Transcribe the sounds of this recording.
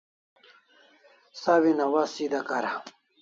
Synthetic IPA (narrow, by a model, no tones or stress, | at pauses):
sawinɐwasid̪akaɾa